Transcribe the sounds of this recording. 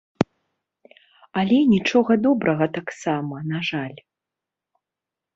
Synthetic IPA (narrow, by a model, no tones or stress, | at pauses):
alʲɛnʲit͡ʂɔɣɐd̪ɔbɾɐɣɐt̪aksamɐnaʐalʲ